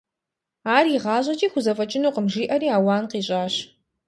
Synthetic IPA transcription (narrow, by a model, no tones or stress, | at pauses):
aːriʁɑːɕʼɐt͡ʃʼiːxʷʊzɐfʼɐt͡ʃʼɪnuːqəmʒiːʔɐɾiːaːwaːnqiːɕʼaːɕ